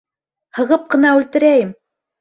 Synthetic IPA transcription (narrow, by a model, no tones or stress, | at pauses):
hɤ̆ʁɤp̚qɤ̆nɑʉlt̪ɘ̆ɾæjɘm